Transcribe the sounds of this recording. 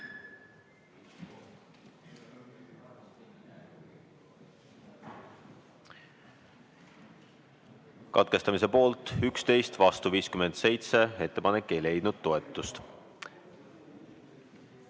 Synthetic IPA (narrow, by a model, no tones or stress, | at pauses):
kɑ̰t̪̚ke̞st̪ɑmise̞po̞ːlt̪ˑykst̪e̞jst̪vɑst̪uviːskymend̪̥se̞jt̪se̞e̞t̪ːe̞pɑnekːe̞jle̞jd̪nud̪̥̚t̪ːo̞et̪ːˑust̪